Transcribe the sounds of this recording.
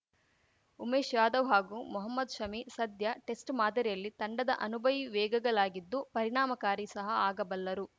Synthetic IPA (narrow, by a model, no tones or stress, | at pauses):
umeːʃjaːd̪ɐʋɦaːɡumuɦɐmːɐd̪ʃɐmisɐd̪ʱjɐʈesʈmaːd̪ɐɾijɐlːit̪ɐɳɖɐd̪ɐʔɐnubʱɐʋiʋɛːɡɐɡɐɭaːɡid̪ːupɐɾiɳaːmɐkaːɾisɐɦɐaːɡɐbɐlːɐɾu